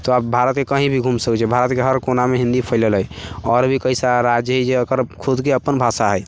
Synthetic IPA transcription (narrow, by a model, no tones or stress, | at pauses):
t̪oabʱaɾət̪kekəɦĩbʱiɡʱumsəkt͡ʃʰɛbʱaɾət̪keɦəɾkonameɦĩnd̪ipʰəɪləlɦəjɔɾbʱikəisaɾad͡ʒjəɦəjd͡ʒeəkəɾkʰud̪keəpənbʱasaɦəj